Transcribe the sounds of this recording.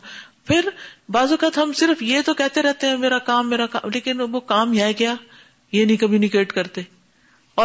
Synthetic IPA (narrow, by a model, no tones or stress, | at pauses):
pʰɪɾbaːzukaːt̪ɦɐmsɪɾəfjet̪okɛɦt̪eɾɛɦt̪eɦɛ̃meːɾakaːmːeːɾaka̰ːleːkɪnʋokaːmɦaɡɐjaː | jenĩkɐmunɪkeːʈkɐɾt̪e | ɔː